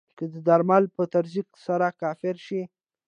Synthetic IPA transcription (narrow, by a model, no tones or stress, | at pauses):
kəd̪əd̪aɾmalpət̪aɾziksaɾakɑfɪɾʃi